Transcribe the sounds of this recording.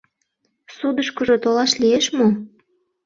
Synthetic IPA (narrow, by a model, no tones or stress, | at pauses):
sud̪əʃkə̆ʒot̪olɑʃlieʃmo